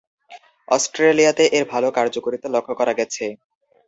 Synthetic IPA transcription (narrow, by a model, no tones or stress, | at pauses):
ɔsʈɾelijat̪eʔeɾbʱalokaɾd͡ʑokoɾit̪olɔkʰːokɔɾaɡɛt͡ɕʰe